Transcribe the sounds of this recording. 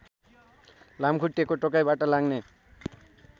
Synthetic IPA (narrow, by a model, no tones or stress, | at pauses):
lamkʰuʈːekoʈɔkajbaʈʌlaɡne